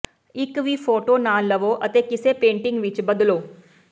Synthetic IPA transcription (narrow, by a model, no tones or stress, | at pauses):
ikʋifʰoːʈoːnaːlːɐʋoːʔɐt̪eːkiseːpeːɳʈiŋɡʋit͡ʃbɐd̪uloː